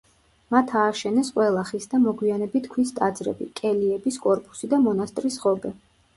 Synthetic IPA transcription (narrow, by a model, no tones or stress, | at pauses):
mat̪ʰaːʃɛnɛsqʼwɛlˠaχisd̪amɔɡwianɛbit̪ʰkʰwist̪ʼad̪zɾɛ̰bḭkʼɛliɛbiskʼɔɾpʼu̥sid̪amɔnast̪ʼɾisʁɔbɛ